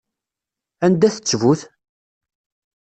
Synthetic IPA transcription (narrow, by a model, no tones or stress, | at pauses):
ænd̪æθə̥t͡sːvuθ